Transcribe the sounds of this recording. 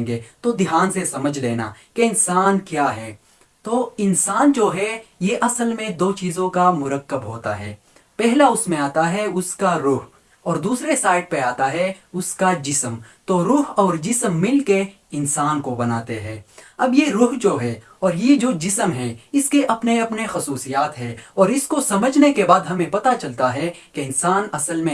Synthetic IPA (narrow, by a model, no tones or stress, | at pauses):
ŋɡeːt̪od̪ɪɦaːnsesɐməd͡ʒʱleːna̰keɪnsaːnkjaːɦɛː | t̪oːɪnsaːnd͡ʒoːɦɛjeʔɐsəlmẽd̪oːt͡ʃiːzõkamʊɾəkːəbɦoːt̪a̰ɦɛ̰ː | pɛɦlaʊsmẽaːt̪aɦɛʊskaɾʊɦ | ɔːɾd̪uːsɾesaːɪɖ̚peaːt̪aɦɛʊskad͡ʒɪsəmt̪oɾʊːɦɔːɾd͡ʒɪsəmːɪlke | ɪnsaːnkobɐnaːt̪eɦɛːɐbjeɾʊɦd͡ʒoːɦɛː | ɔːɾjed͡ʒoːd͡ʒɪsəmɦɛ̃ɪskeʔɐpneɐpnexɐsuːsijaːt̪ɦɛːɔːɾɪskosɐməd͡ʒʱnekebaːd̪ɦɐmẽpɐt̪at͡ʃɐlt̪aɦɛkeɪnsaːnɐsəlmẽ